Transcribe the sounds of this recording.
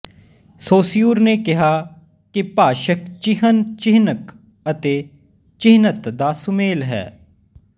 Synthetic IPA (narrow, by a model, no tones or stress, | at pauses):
soːsɪjuːɾneːkɪɦaː | kɪpaːʃəkt͡ʃɪɦənt͡ʃɪɦnək | ət̪eː | t͡ʃɪɦnət̪d̪aːsʊmeːlɦɛ̰ː